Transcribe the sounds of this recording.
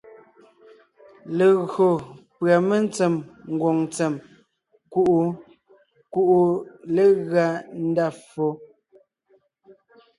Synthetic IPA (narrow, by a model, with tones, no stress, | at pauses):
le˨ɣɰo˨pɰa˨me˦n˦t͡sɛ˨mŋ̩˨ɡwɔ˨ŋt͡sɛ˨m | ku˦ʔu˨ | ku˦˨ʔu˨le˦ɣɰa˦n̩˦da˦˨fo˦